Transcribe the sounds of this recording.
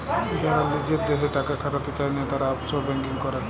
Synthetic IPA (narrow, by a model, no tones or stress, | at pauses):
d͡ʑaɾalid͡ʑeɾd̪eʃ̬eʈakakʰaʈat̪et͡ɕajnet̪aɾaɔpsoɾbɛŋkiŋkɔɾa